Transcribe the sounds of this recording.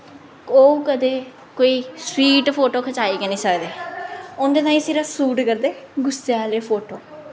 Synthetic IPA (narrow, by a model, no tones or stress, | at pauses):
oːukəd̪eː | koːiːswiːʈpʰoːʈoːkʰət͡ʃaːiːkənĩːsəːkd̪eːʊnd̪eːt̪ãːĩːseːɾaːsuːʈkəɾd̪eː | ɡʊseaːleːpʰoːʈoː